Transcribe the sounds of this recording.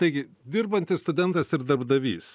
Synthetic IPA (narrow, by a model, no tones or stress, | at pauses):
t̪ɐɪɡʲɪ | d̪ʲɪɾbɐnʲt̪ʲɪsst̪ʊd̪ʲɛnt̪ɐsɪɾd̪ɐɾbd̪ɐʋʲḭːs